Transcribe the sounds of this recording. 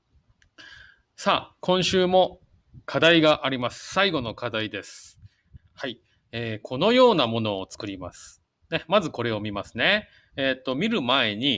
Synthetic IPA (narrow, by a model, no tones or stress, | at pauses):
saːkõ̞ɰ̃ɕɨːmo̞ | kʰad̪aiɡaʔaɾʲimasɨ̥saiɡo̞no̞kʰad̪aid̪e̞sɨ̥ | hai | eːkʰo̞no̞jo̞ːnamo̞no̞ːt͡sɨ̥kɯ̟ɾʲima̰sɨ̥ | nemazɨko̞ɾe̞o̞mʲimasɨ̥ne̞ | eːt̪ːo̞mʲiɾɯ̟mae̞ɲ̟i